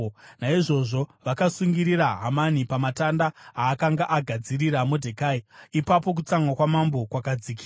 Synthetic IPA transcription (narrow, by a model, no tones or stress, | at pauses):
naiʐo̞ʐo̞ʋakasuŋɡiɾiɾaɦamanipamatandaaːkaŋɡaʔaɡʱad͡ziriɾamodʱekaiipap̬o̞k̬ut͡saŋwakwamambo̞kwakad͡ziki